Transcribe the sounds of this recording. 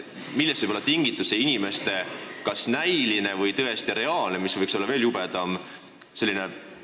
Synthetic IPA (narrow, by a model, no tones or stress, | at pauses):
milːest̪vɯjbo̞lːɑt̪iŋɡ̥it̪ːˑuseinime̞st̪e̞kɑsnæjline̞vɤjt̪ɤ̞e̞st̪iɾe̞ɑːlnemisvɤjkso̞lːɑve̞ːljubed̪̥ɑm | se̞lːine